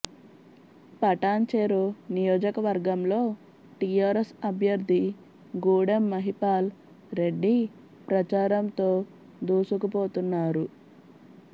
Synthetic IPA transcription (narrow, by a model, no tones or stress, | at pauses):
pɐʈaːɲt͡ʃeɾonijoːd͡ʒɐkɐʋɐɾɡɐmlo̞ː | ʈijaːɾesɐbʱjɐɾd̪ʱi | ɡuːɽɐmːɐɦipaːl | ɾe̞ɖːi | pɾɐt͡ʃaːɾɐmt̪o̞ː | d̪uːsukɐpo̞ːt̪unːaːɾu